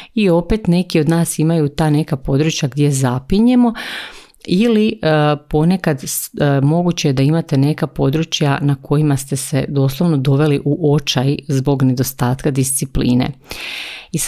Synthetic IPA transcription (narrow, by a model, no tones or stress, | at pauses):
io̞pe̞t̪ne̞kio̞d̪naːsimajut̪aːne̞kapo̞d̪ɾut͡ɕjaɡd̪je̞zapiɲe̞mo̞ | ilipo̞ne̞kad̪mo̞ɡut͡ɕejed̪aimat̪e̞ne̞kapo̞d̪ɾut͡ʃjanakʰo̞jimast̪e̞se̞̰d̪o̞ːslˠo̞ʋno̞d̪o̞ʋe̞liʔuʔot͡ʃajizbo̞ɡne̞d̪o̞st̪aːt̪kad̪ist̪siplḭːnḛ | is